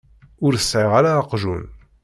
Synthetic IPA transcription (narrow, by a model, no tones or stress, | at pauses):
ʊɾəsːʕeʁaɾaəqʒṵn